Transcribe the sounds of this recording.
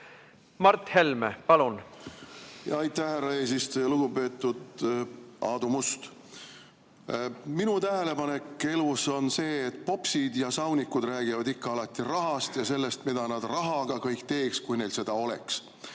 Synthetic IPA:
mɑrt̪helmḛpɑlun | jɑɑjt̪ːˑæhhærːɑe̞ːsist̪ojɑluɡ̥ube̞ːt̪ˑːud̪̥ | ɑːd̪umust̪ | minut̪æɦe̞le̞pɑnekːe̞luso̞nse̞ːt̪̚ːˑpo̞psid̪jɑsɑwnʲikːud̪ræːɡ̥ivɑd̪ikːɑɑlɑt̪ːirɑɦɑst̪jɑse̞lːe̞st̪mid̪̥ɑnɑd̪̥rɑɦɑɡ̥ɑkɤjkt̪e̞ːkskujne̞jlse̞d̪̥ɑo̞le̞̰ks

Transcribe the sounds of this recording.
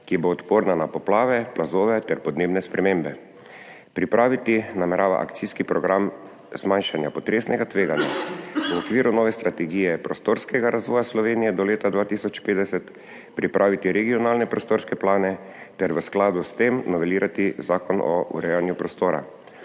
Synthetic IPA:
kiɛboːt̪poːɾnanapɔplaːʋɛplazoːʋɛt̪ɛɾpɔd̪neːbnɛspɾɛmẽmbɛ | pɾipɾʔaːʋit̪inamɛɾʔaːʋa̰ʔa̰kt̪siskipɾɔɡɾam | zmanʃanjapɔt̪ɾeːsnɛɡat̪ʋeːɡanja̰uɔkʋiːɾunɔːʋɛst̪ɾat̪ɛɡiːjɛpɾɔst̪oːɾskɛɡaɾʔazʋɔːjaslɔʋeːnijɛd̪ɔleːt̪ad̪ʋaːt̪isɔt͡ʃpeːd̪ɛsɛt̪ | pɾipɾʔaːʋit̪iɾɛɡiɔnaːlnɛpɾɔst̪oːɾskɛplaːnɛ | t̪ɛɾʋəsklaːd̪ust̪emnɔʋɛliːɾʔat̪izaːkɔnɔ̰ʔṵɾɛjanjupɾɔst̪oːɾa̰

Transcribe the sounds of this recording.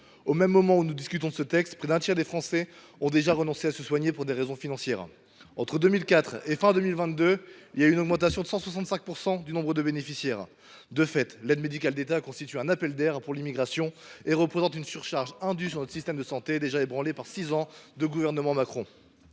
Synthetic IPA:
omɛmːɔmɑ̃unud̪iskʲyt̪ɔ̃d̪əsət̪ɛkst̪pχɛd̪ɛ̃t̪jɛʁd̪efχɑ̃sɛ | ɔ̃d̪eʒaʁənɔ̃seasəswaɲepuʁd̪eʁezɔ̃finɑ̃sjɛ̰ːʁ | ɑ̃t̪χəd̪ømilkat̪χefɛ̃d̪ømilvɛ̃t̪̚d̪øiljaynɔɡmɑ̃t̪asjɔ̃d̪əsɑ̃swasɑ̃t̪sɛ̃k̚puʁsɑ̃d̪ynɔ̃bʁəd̪əbenefisjɛːʁ | d̪əfɛt̪lɛd̪med̪ikʲald̪et̪akɔ̃st̪it̪yɛ̃napɛld̪ɛʁpuʁlimiɡʁasjɔ̃eʁəpχezɑ̃t̪ynsyʁʃaʁʒɛ̃d̪ysyʁnɔt̪χsist̪ɛmd̪əsɑ̃t̪ed̪eʒaebʁɑ̃lepaʁsizɑ̃d̪əɡuvɛʁnəmɑ̃makχɔ̃

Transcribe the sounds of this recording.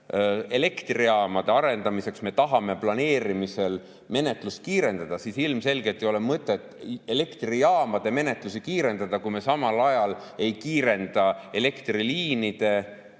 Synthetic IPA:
e̞le̞kt̪riɑːmɑd̪̥e̞ɑɾe̞nd̪̥ɑmise̞ksme̞t̪ɑɦɑme̞plɑne̞ːɾimise̞l | me̞ne̞t̪ˑlust̪̚kiːɾe̞nd̪̥ɑd̪̥ɑsisilmse̞lɡet̪ːˑio̞le̞mɤt̪ːˑe̞t̪ːele̞kt̪riɑːmɑd̪̥e̞me̞ne̞t̪ˑlusikiːɾe̞nd̪̥ɑd̪̥ɑkujme̞sɑmɑlɑjɑl | e̞jkiːɾe̞nd̪̥ɑe̞le̞kt̪riliːnid̪̥e̞

